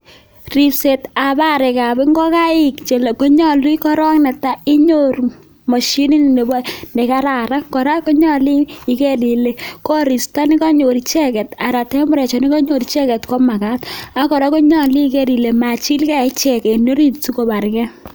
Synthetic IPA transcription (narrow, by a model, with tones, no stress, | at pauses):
ri˨pse˨ta˨ba˦ɾɛ˨ka˨bɛ˦ŋɡɔ˦ka˦ɪ˨kt͡ʃe˨le˨ko˦ɲɔ˦lu˦i˦kɔ˦ɾɔ˦knɛ˨ta˦i˦ɲo˦ɾu˨ | mɔ˨ʃi˦ni˦n˨ne˨bɔ˦ne˨ka˦ɾa˨ɾa˦kɔ˨ɾa˦ko˦ɲɔ˦liː˦˨ke˦di˨le˨ko˦ɾi˨sta˦ni˦ka˦ɲo˨ɾi˨t͡ʃɛ˦kɛ˨ta˨ɾa˨tɛ˦mʊ˦ɾɛ˨t͡ʃɔ˨ni˦kɔ˦ɲo˨ɾi˦t͡ʃɛ˦kɛ˨tkɔ˦ma˨ka˦ta˦kɔ˨ɾa˦ko˦ɲɔ˦˨li˦ke˦di˨le˨ma˨t͡ʃi˦lkɛ˦˨˦t͡ʃɛ˨ke˨no˦ɾi˦tu˦ko˨ba˨ɾkɛ˦